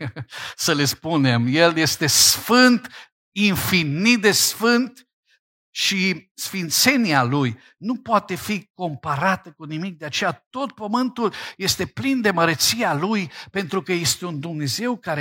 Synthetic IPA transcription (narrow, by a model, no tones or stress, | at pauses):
səle̞spune̞mje̞lje̞st̪e̞sfɨnt̪ | infinid̪e̞sfɨnt̪ | ʃisfint̪se̞nialuj | nupoat̪e̞fiko̞mpaɾat̪əkunimik̚d̪eat͡ʃe̞jat̪o̞t̪̚pəmɨnt̪ulje̞st̪e̞plind̪e̞məɾət̪sialujpe̞nt̪ɾukəje̞st̪e̞und̪umne̞ze̞wkaɾe